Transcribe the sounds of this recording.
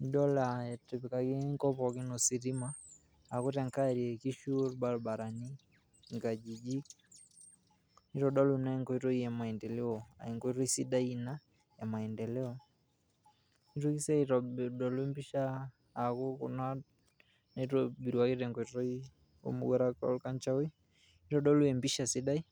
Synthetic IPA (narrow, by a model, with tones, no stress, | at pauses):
n˦dɔ˦laɛ˨te˨pika˨ke˦ŋkɔ˦pɔ˨ki˦no˨si˨ɾi˦maː | ko˦tɛ˨ŋka˦ɾi˨ɛ˨ki˦ʃuɾba˦ɾba˨ɾa˨ni˦ | ŋɡa˨d͡ʒi˨d͡ʒi˦ | ni˦tɔda˦luna˦i˦ŋkɔ˦i˦tɔ˦i˦a˨ma˨ɛndɛ˨le˦ɔa̰˨i˨ŋkɔ˦i˦tɔ˦i˦si˦da˦ina˦ | ja˨ma˨ɛndɛ˨lɛ˦ɔ | ni˦tu˦ki˦sa˦itɔdɔ˨lu˦ɛ˦mbi˦ʃaː | kɔ˦ku˨na | na˦itɔbi˨ɾiwake˦tɛŋkɔ˨iɔ˦i | o̰˦mṵ˦ɡɛ˦ɾaka̰luka˦nt͡ʃa˦ɔ˦i˦ | ni˦ɾɔɗɔ˦lu˦ɛ˨mbi˦ʃasi˦da˦i˦